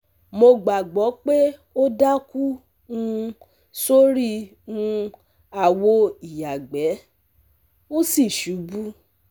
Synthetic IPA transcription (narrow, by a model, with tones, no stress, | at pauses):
mo˧ɡ͡ba˨ɡ͡bɔ˨˦k͡pe˦o˦da˦ku˦ | ũ˦ | so˦ɾi˦˨ | ũ˧ | a˨wo˧˦i˨ja˨ɡ͡bɛ˨˦ | ũ˦si˦˨ʃu˨˦bu˦